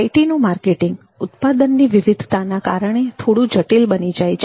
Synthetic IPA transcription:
aiʈinũmaɾkeʈɪŋɡ | ʊt̪pad̪ənːiʋɪʋɪd̪ʱt̪anakaɾəɳ̃et̪ʰoɽũd͡ʒəʈilbənid͡ʒajt͡ʃʰ

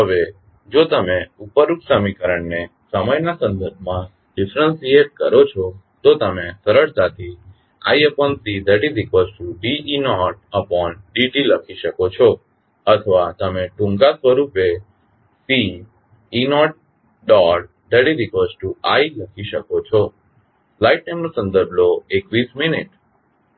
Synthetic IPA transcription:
ɦəʋe | d͡ʒot̪əmeupəɾuksəmikəɾəɳne | səməjnasə̃nd̪əɾbʱmã | ɖɪfɾənsieʈ̚kə̰ɾot͡ʃʰɔ | t̪ot̪əmesəɾəɾt̪at̪ʰi | a̰jəpɔnsid̪əɖiɾikʋəsʈuɖiinɔʈ̚əpɔnɖiʈiləkʰiʃəkot͡ʃʰɔ | ət̪ʰəʋat̪əmeʈũŋɡasʋəɾupe | siː | nɔʈ̚ | ɖɔʈ̚ | d̪əɽiɾikʋəsʈuailəkʰiʃəkot͡ʃʰɔ | flaiʈ̚ʈemnosə̃nd̪əɾbʱloekʋisminiʈ

